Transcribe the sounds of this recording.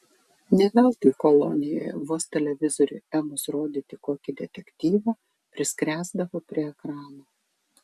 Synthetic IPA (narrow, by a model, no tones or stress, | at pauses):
nʲɛʋʲɛlˠt̪ɐkɔlˠɔ̰nʲɪjo̰jɛʋoːst̪ʲɛlʲɛʋʲɪzɔɾʲʊɛmʊsɾoːd̪ʲiːt̪ʲɪkoːkʲɪd̪ʲɛt̪ʲɛkʲt̪ʲiːʋɑ | pʲɾʲɪsʲkɾʲæːzd̪ɐʋoːpʲɾʲiɛɛkɾɑːnoː